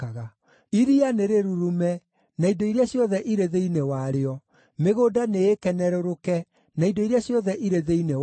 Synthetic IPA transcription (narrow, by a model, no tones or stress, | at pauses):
aɣa | iɾianeɾeɾuɾumɛ | naidoiɾeaɕjɔðɛʔiɾeðeinewaɾeɔ | meɣoːdaneekɛnɛɾoɾokɛ | naidoiɾeaɕjɔðɛʔiɾeðeine